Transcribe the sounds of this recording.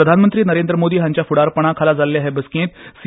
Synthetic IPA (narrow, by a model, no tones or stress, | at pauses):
əd̪ʱanmənt̪ɾiːnəɾẽnd̪ɾəmod̪iːɦãɲt͡ɕjafuɽaɾpəɽ̃akʰalad͡zalːjaɦɛbəskẽːt̪s